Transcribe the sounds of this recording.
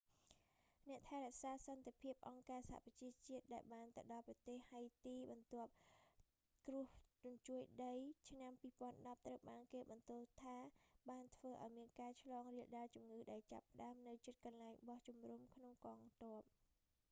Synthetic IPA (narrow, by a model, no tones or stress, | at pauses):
nɛ̆əʔt̪ʰaɛɾɛ̆əʔsaːsɑnt̪epʰiəp̚ʔɑŋkaːsaɦha̰ʔprɑt͡ɕiət͡ɕiət̪̚ɗaɛlɓaːnt̪əɗɑlprɑt̪eːhhajt̪iːɓɑnt̪ŏəp̚ | krʊ̆əht͡ɕunt͡ɕuəjɗəjt͡ɕʰnampiːpŏənɗɑp̚t̪rəwɓaːnkeːɓɑnt̪ʊəlt̪ʰaːɓaːnt̪ʰʋəːʔa̰ɔjmiənkaːt͡ɕʰlɑːŋriəlɗaːlt͡ɕumŋɨːɗaɛlt͡ɕa̰pːə̆ɗaəmnɨwt͡ɕət̪̚kɑnlaɛŋɓɑht͡ɕumrumkʰnoŋkɑːŋt̪ŏəp̚